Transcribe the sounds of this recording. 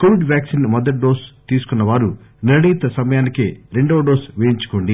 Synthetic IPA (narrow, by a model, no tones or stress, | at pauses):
koːʋiɖʋjaːksinmɔd̪ɐʈ̚ɖoːst̪iːsu̥kunːɐʋaːɾu | niɾɐɽiːt̪ɐsɐmɐjaːnikḛːɾe̞ɳɖoːɖoːsʋeːjiɲt͡ʃu̥ko̞ːɳɖi